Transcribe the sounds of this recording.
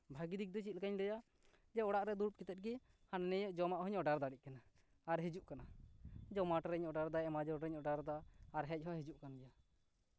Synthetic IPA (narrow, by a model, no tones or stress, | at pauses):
bʱaɡid̪ik̚d̪ɔt͡ʃit̪̚ˀlɛkaɲlɛja | d͡ʒɛɔɽaʔɾɛd̪uɾp̚kit̪ɛt̪̚ɡi | hanɛnɛjɔʔd͡ʒɔmaʔɦɔɲɔɖaɾd̪aɽic̚kanaː | ɾɦid͡ʒuʔkanad͡ʒɔmaʈɾɛɲɔɖaɾd̪ajmad͡ʒɔɾɾɛɲɔɖaɾd̪aːɾɦɛc̚ˀɦɔɦid͡ʒuʔkanɛja